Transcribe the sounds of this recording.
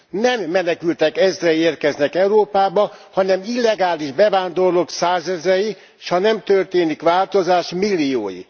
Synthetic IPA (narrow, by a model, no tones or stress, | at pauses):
nɛmːɛnɛkylt̪ɛkɛzrɛeːrkɛznɛkɛuɾoːpaːbɒhɒnɛmilːɛɡaːliʒbɛvaːnd̪o̞rloksaːzɛzɛji | ʃhɒnɛmt̪ørt̪eːnikʋaːlt̪ozaːʃmilːio̰ːjḭ